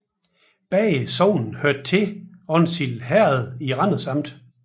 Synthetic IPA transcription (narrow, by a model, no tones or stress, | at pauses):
b̥ɛːsɒʊ̰nn̩høɐ̰d̥̚t͡sʰe̝ɒ̽nsilɦæɐ̰ð̞̩ˠiʁɑn̰ð̩ˠsɑ̈m̰d̥